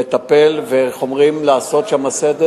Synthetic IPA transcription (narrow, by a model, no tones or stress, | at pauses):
et̪ape̞lveχo̞mʁimlaːso̞t̪ʃamased̪e